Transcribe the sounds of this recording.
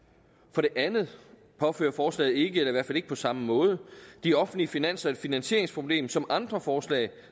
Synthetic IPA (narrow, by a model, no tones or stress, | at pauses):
fɒ̽ɾ̥e̝ʔænð̩ˠ | pʰɒ̽fø̰ːɐfɒːslɛ̰ːð̩ˠe̝ɡ̥əelɐiʋæɐfæle̝ɡ̥əpʰɒ̽sɑ̈məmɔ̽ːð̞ˠəd̥iɒ̽fn̩liəfinæn̰sɐe̝d̥finænɕe̝̰ɐ̰eŋspʰʁo̝b̥le̝̰ːmsɒ̽mʔɑ̈nd̥ʁɐfɒːslɛ̰ːɪ